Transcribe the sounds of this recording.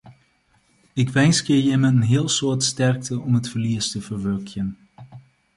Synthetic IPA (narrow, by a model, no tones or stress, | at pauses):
ɪkʋɛnskjəjəmɛtənɦɪəlˠsʊːɹtstɛrk̚təɔmɦətfərliəstəvərʋøkʰjən